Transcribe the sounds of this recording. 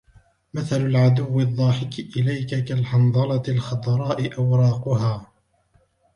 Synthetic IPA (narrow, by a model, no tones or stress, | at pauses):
maθalʊlʕad̪ʊwːɪd̪ˤːɑːħɪkɪʔɪlajkakalħɑnd̪ˤɑlɑlxɑd̪ˤɾˤɑːʔɪʔawɾˤɑːqʊɦaː